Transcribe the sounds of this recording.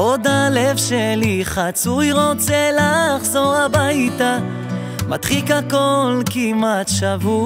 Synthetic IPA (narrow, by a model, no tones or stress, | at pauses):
ʔo̞d̪alevʃeliχat͡sujʁo̞t͡selaχzo̞ʁabajt̪a | ma̰t̪χikhako̞lkimat̪ʃavu